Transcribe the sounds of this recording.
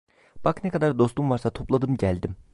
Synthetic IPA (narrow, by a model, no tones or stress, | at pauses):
b̥aknɛkʰad̪aɾd̪o̞st̪umvaɾsat̪ʰo̞plˠad̪ɯmɟælʲd̪im